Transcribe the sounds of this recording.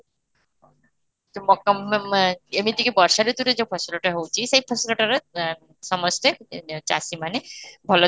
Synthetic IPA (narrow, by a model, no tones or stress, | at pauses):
t̪omɔkɔm | emit̪ikebɔɾʃaɾet̪uɾed͡ʑepʰɔsoloʈaɦowt͡ɕʰiʃejpʰɔsloʈaɾa | ʃɔmosʈet͡ɕa̰simanebʱɔlo